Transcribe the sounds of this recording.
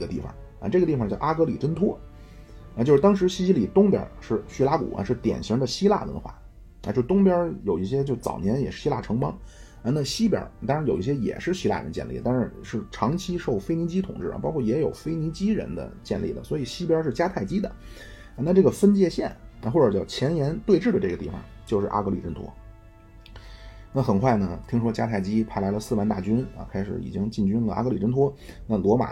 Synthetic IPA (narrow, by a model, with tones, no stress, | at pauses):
ɡə˧t̪i˥˩fɑ̰˨˩ŋ | ɐ̰˧ʈ͡ʂɤ˥˩ɡə˩t̪i˥˩fɑ˨ŋ˩t͡ɕjʊʔa˥kɤ˧˥lḭ˨˩ʈ͡ʂə˥nt̪ʰwɔ˥ | a˧t͡ɕjʂɻ̩˥˧t̪ɑ˥ŋʂ̬ɻ̩˧˥ɕi˥˧ɕi˥li˨˩t̪ʊ˥ŋpjɑ̰˧˥ʂɻ̩˥˩ɕy˥la˧˥kṵ˨˩ʔɐ̰˦ʂɻ̩˥˩t̪jɛ̰˨˩nɕi˧˥ŋd̪ə˧ɕi˥la̰˥˩lə̰˧˥nə˧xwa̰˥˩ | a̰˧t͡ɕjo˥˩˧t̪ʊ˥ŋpjɑ˥jo˨˩ʊi˥˩ɕjɛ˥t͡ɕjo˥˧ʊ˥˩t͡sɑ̰˨˩ʊnjɛ˧˥njɛ˨˩ʂɻ̩˥˩ɕi˥la̰˥˩ʈ͡ʂʰɤ˧˥ŋpɑ̰˥ŋ | a˧na˥˩ɕi˥pjɑ̰˧˥˧ɑ˥ŋɻa˧˥jo˨˩ʊi˥˩ɕ̬jɛ˥jɛ̰˨˩ʂɻ̩˥˩ɕi˥la̰˥˩ɻə̰˧˥nt͡ɕjɛ̰˥˧nlḭ˥˩t̪a˥˧ʂɻ̩˥˧ʂɻ̩˥˩ʈ͡ʂʰɑ˧˥ŋt͡ɕʰi˥ʂo˥˩ʊfe˥ɪni˧˥t͡ɕi˥t̪ʰʊ̰˨˩ŋʈ͡ʂɻ̩̰˥˩pɑ˥ʊkʰwɔ˥˩jɛ˧˥jo˨˩ʊfe˥ɪni˧˥t͡ɕi˥ɻə̰˧˥nd̪ə̰˧t͡ɕjɛ̰˥˧nli˥˩d̪ə̰˩swɔ˧˥i˨˩ɕi˥p̬ʲjɑ˥ʂɻ̩˥˩t͡ɕja˥t̪ʰa˥˩ɪt͡ɕi˥d̪ə̰˩ | a˧na˥˧ʈ͡ʂɤ˥˩ɡə˩fə˥nt͡ɕjɛ˥˧ɕjɛ˥˩na˧xwɔ˥˩ʈ͡ʂə˞˨˩t͡ɕjɑ˥˩ʊt͡ɕʰjɛ˧˥njɛ˧˥nt̪we˥˧ɪʈ͡ʂɻ̩˥˩d̪ə˩ʈ͡ʂɤ˥˩ɡə˩t̪i˥˩fɑ̰˩ŋt͡ɕjo˥˧ʊʂɻ̩˥˩ʔa̰˥kɤ˧˥li˨˩ʈ͡ʂə˥nt̪ʰwɔ̰˥ | na˥˩xə˨˩nkʰwa˥˩ɪnə˩t̪ʰi˥ŋʂwɔ˥t͡ɕja˥t̪ʰa˥˩ɪt͡ɕi˥pʰa˧˥ɪla˧˥ɪlə˧sɹ̩˥˩wa˧˥nt̪a˥˩t͡ɕy˥nɐ̰˧kʰa˥ɪʂɻ̩̰˧˥ḭ˨˩t͡ɕi˥ŋt͡ɕi˥˩nt͡ɕy˥nlə̰˨ʔa̰˥kɤ˧˥li˨˩ʈ͡ʂə˥nt̪ʰwɔ˥ | na˥˩lwɔ˧˥ma̰˨˩